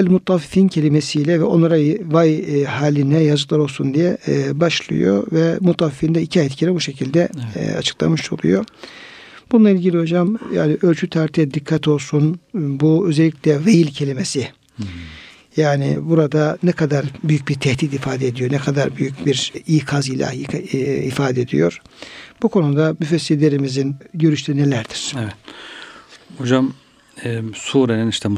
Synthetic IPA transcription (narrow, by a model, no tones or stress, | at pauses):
ɛlʲmut̪ːafifincʰe̞lʲimesijlʲɛvɛo̞nlˠaɾavajhaːlʲinɛjazɯklˠaɾo̞lˠsund̪ijɛbaʃlˠɯ̰jo̰vɛmut̪ːafifind̪ɛicʰiajt̪cʰiɾɛbuʃecʰilʲd̪ɛ̰a̰t͡ʃʰɯ̥klˠa̰mɯʃo̞̰lˠṵjo | b̥ununˠailʲɟilʲiɦo̞d͡ʒamja̰ːnɪʔø̞lʲt͡ʃʰyt̪ʰaɾt̪ʰijɛd̪ikʰːat̪ʰo̞lˠsunbuø̞zelʲːiclʲɛvejilʲcʰe̞lʲimesɪ | jaːnɪ̰buɾad̪anɛkʰad̪aɾbyjyc̚biɾt̪ʰɛht̪it̪ifaːd̪eed̪ijo̞ɾnɛkʰad̪aɾbyjycbiɾijkʰazijlʲa̰ | ifaːd̪ɛed̪ḭjo̞̰ɾ̥b̥ukʰo̞nud̪amyfesːilʲːe̞ɾimizinɟø̞ɾyʃt̪ʰynelʲæɾd̪iɾ̥evɛt̪ | hod͡ʒam | ɛsuːɾeniniʃt̪ʰɛ